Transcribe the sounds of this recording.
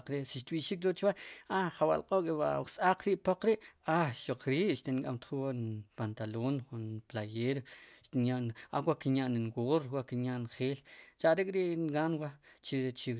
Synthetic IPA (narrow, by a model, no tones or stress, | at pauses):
qɾeʔsiʃt̪ɓiʔʃiːk̚ɾot͡ʃwaaχawa̰ʔlqʼokʼewa̰sʼaq͡χɾiːʔpoq͡χɾiʔaʃoq͡χɾiːʔʃt̪enkʼamt̪χuwanpant̪aloːnχunplajeːɾʃt̪injaʔna̰wakinjaʔninwoːɾwaʔkinjaʔnχeːlt͡ʃaʔɾekʼɾiʔnɡanwat͡ʃit͡ʃi